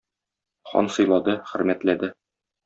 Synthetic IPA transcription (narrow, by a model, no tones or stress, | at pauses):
χɒ̰nsɤ̆jlˠɑd̪ɤχɘ̆ɾmæt̪læd̪ɘ